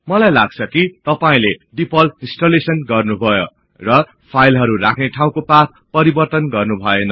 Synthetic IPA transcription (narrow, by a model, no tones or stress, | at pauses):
mʌlajlaɡ̚t͡sʰʌkit̪ʌpaĩleɖipʌlĩnsʈolesʌnɡʌrnubʱʌjo | rʌ | pʰajlɦʌɾurakʰneʈʰaw̃kopat̪̚pʌɾibʌrt̪ʌnɡʌrnubʱʌenʌ